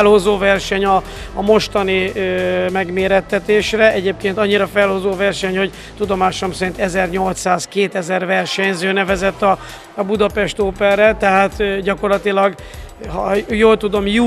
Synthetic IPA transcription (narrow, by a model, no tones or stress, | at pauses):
lho̞zoːvɛrʃɛɲɒː | mo̞ʃt̪ɒni | mɛɡmeːɾɛt̪ːɛt̪eːʃrɛɛɟeːp̚keːnt̪ɒɲːiɾɒfɛlho̞zoːvɛrʃɛɲho̞ɟ | t̪ud̪o̞maːʃomsɛɾint̪ɛzɛrɲo̞lt̪saːskeːt̪ɛzɛrvɛrʃɛɲzøːnɛvɛzɛt̪ːɒ | ɒbud̪ɒpɛʃt̪oːpɛrrɛt̪ɛɦaːt̪ɟɒko̞rlɒt̪ilɒɡ | hɒjoːlt̪ud̪o̞mju